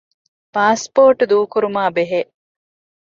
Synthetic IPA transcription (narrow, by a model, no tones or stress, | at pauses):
paːspoːʈud̪uːkuɾumaːbeɦeʔ